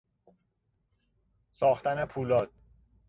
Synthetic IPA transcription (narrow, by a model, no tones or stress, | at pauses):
sɒːxt̪ænepʰuːlɒːd̪̥